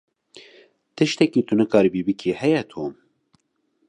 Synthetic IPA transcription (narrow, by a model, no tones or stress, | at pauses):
t̪ɨʃt̪ɛkiːt̪ʰunɨkʰɑːɾibiːbɨkʰiːhɛjɛt̪ʰoːm